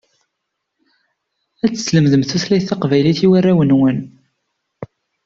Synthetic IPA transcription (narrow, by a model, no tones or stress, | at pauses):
æt͡sːə̥sləmðəmθuθlæjθɑqvæjliθiwarːæwənwən